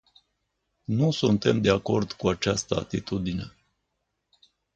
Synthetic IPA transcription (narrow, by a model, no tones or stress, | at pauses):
nusunt̪e̞md̪e̞ako̞rd̪kuat͡ʃast̪əa̰t̪it̪ud̪ine̞